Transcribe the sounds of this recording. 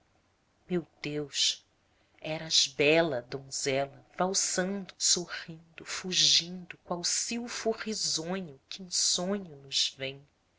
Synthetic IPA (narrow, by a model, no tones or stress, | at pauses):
mewd̪ewʃ | ɛɾɐazbɛlɐd̪õzɛlɐvawsɐ̃nd̪ʊsoʁĩnd̪ʊfuʒĩnd̪ʊkw̃awsiwfʊʁizõɲʊkɪẽsõɲʊnʊz̥vẽj̃